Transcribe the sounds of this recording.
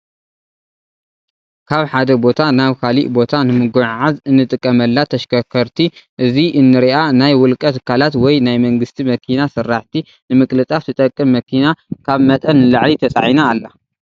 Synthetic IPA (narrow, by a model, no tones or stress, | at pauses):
kʰaβħad̪ɐbo̞t̪ʰanaβkʰaliʔbo̞t̪ʰanɨmɨɡuʕʕazɨnːɨt̪ʼɨkʼːɐmɐlːat̪ʰɐʃkʰɐkʰɐɾt̪ʰiʔɨziʔɨnːɨɾiʔanajwʊlkʼɐt̪ɨ̥kʰːalat̪wɔjnajmɐŋɡɨst̪ʰimɐkʰinasɨrːaħt̪ʰi | nɨmɨkʼlɨt͡sʼaft̪ɨt̪ʼɐkʼːɨmːɐkʰinakʰaβmɐt̪ʼɐnːɨlaʕlit̪ʰɐt͡sʼa̰ʕinaːlːa